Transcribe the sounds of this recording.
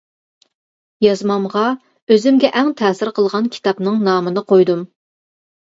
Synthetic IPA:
jɑzmɑmʁɑ | øzɪmɡʲɛʔæŋt̪ʰɛːsɪɾqʰəlˠʁɑnkʲʰi̥t̪ɑpnɨŋnɑːmɨnɨqʰojd̪um

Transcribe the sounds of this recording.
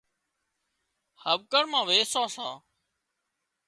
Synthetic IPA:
həbkəɳmãːʋeːsaːsaː

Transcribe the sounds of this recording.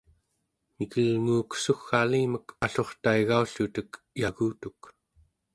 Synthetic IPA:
nikəlŋuːksuxːaliːməkaɬo̞χt̪aiɣauɬut̪ək | jaɣuːt̪uk

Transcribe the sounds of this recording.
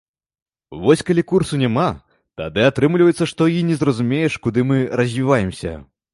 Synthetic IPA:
vɔsʲkalʲikursunʲama | t̪a̰d̪ɨat̪ɾɨmlʲivɐjɛt̪sːɐʂt̪ɔinʲɛzrɐzumʲejɛʂkud̪ɨmɨɾɐzʲvʲivajɛmsʲɐ̰

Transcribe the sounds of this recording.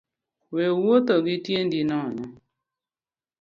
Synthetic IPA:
wewot̪ɔɡɪtjendinɔnɔ

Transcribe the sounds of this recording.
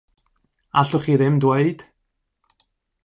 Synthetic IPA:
aɬʊχiðɪmdweɨd̥

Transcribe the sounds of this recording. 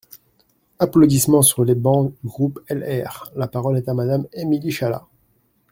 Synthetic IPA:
aplod̪ismɑ̃syʁlebɑ̃ɡʁupɛlɛʁlapaʁɔlɛt̪amad̪amemiliʃala̰

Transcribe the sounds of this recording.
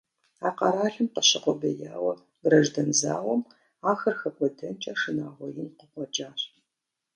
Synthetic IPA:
aːqɐɾaːɬɨmqəɕɪqʷɔbɐjaːwɐ | brɐʒdɐnza̰ːwɔm | aːxɐrxɐkʷʼɔdɐnt͡ʃʼaːʂɨnaːʁʷɔjɪnqəqʷɔd͡ʒʼaːɕ

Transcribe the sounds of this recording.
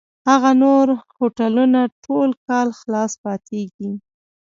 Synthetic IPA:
haɣanoɾhoʈalunaʈʰolkɑlxlɑspɑt̪eɡi

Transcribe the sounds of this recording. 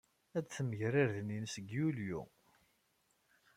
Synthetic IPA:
æd̪θməʝɾaɾðninsɡjuljṵ

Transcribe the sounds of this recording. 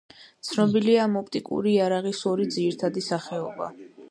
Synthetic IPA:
t̪sʰnɔbiliamɔp̚ʼt̪ʼikʼṵɾiaɾaʁisɔɾid̪ziɾt̪ʰad̪isaχɛɔba̰

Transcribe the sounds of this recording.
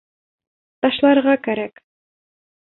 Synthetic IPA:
t̪ɑʃlˠɑɾʁɑkæɾæk

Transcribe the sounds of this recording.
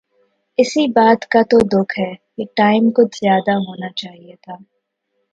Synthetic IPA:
ɪsibaːt̪kat̪od̪ʊkʰɦɛːkeʈaːɪmkʊt̪ʰz̥jaːd̪aɦoːnat͡ʃaːɦijet̪ʰaː

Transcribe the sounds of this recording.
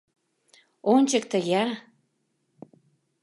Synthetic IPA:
onʲt͡ɕək̚t̪əɣeɑ

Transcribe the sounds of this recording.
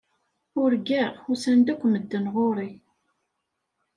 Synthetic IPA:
ʊɾɡæʁʊsænd̪ækʷːməd̪ːənʁoɾˤi

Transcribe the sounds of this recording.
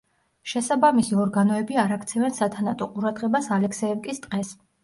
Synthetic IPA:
ʃɛsabamisiɔɾɡanɔɛbiaɾakt̪sʰɛvɛnsat̪ʰanat̪ʼɔqʼuɾad̪ʁɛbasalɛkʰsɛɛvkʼist̪ʼqʼɛs

